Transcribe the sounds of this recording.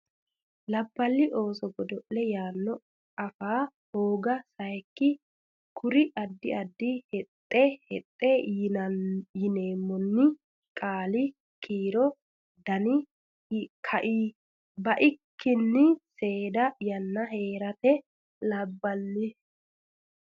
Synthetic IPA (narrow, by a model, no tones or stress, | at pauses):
lɐbːɐlːɪʔo̞ːsɔɡɔd̪ɔʔlɛjaːnːɔ | ɐfaːhoːɡɐsɐjɛkːɪ | kʰʊɾɪʔɐd̪ːɪɐd̪ːɪhɛt̪ʼːɛhɛt̪ʼːɛ | jɪne̞ːmːɔnːɪ | kʼaːlɪ | kʰiːɾɔ | d̪ɐnɪ | kʰɐʔiː | bɐʔɪkʰːɪnːɪse̞ːd̪ɐjɐnːɐɦe̞ːɾɐt̪ɛ | lɐbːɐlːɪ